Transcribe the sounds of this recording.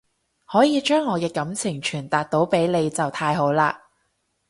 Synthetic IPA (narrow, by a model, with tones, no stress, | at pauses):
hɔː˨˥jiː˨˧t͡ʃœː˥ŋːɔː˨˧kɛː˧kɐ˨˥mt͡sʰɪ˨˩ŋt͡ʃʰyː˨˩nt̪aː˨k̚t̪o˨˥wpe˨˥jle˨˧jt͡sɐ˨˩wt̪ʰaː˧jɦo˨˥wlaː˧